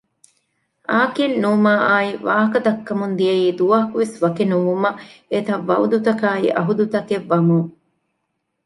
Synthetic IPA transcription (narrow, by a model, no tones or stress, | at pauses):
aːkinːuːmaːʔaːiʋaːɦɐkɐd̪ɐkːɐmund̪ijɐiːd̪uʋɐɦɐkuʋesʋɐkenuʋumɐet̪ɐʋːɐud̪ut̪ɐkaːiʔɐ̰ɦud̪ut̪ɐkeʋːɐmuŋ